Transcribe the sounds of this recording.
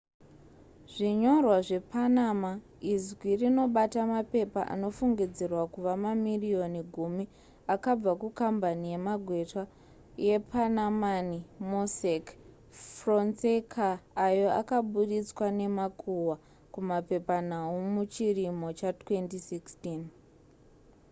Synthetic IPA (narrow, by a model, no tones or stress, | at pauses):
ʐiɲo̞rwaʐe̞panama | izɡwirino̞ɓatamape̞paʔa̰no̞fuŋɡid͡zerwakuʋamamirio̞niɡʱumi | akab͡vakukambanije̞maɡʱwe̞ta | je̞pʰanamanimosek | fronsekʰaːjo̞a̰kaɓuɾit͡swane̞makʰuwa | kumape̞panaumut͡ʃirimo̞t͡ʃatwe̞ntisikstiːn